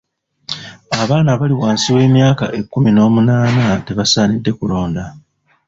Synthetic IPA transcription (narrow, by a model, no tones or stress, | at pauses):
aβaːnaβaliwaːnsiwe̞ːmjaːka̰ʔe̞kːumino̞ːmunaːnate̞βasaːnidːe̞kulo̞ːnda